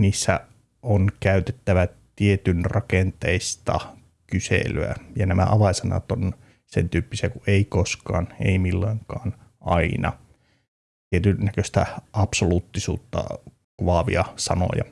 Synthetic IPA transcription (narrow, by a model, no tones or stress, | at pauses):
niːsːæ | onkæyt̪et̪ːæʋæt̪iet̪ynrɑkent̪eist̪ɑ̰ | kysḛlyæ̰jɑnæmæ̰ʔɑʋɑisɑnɑ̰t̪on | sent̪yːpːisiækuʔeikoskɑːnḛimilːoiŋkɑːnʔɑinɑ̰ | t̪iet̪ynːækøst̪æɑpsoluːt̪ːisṵːt̪ːɑ̰ | kʋɑʋḭɑsɑno̰jɑ̰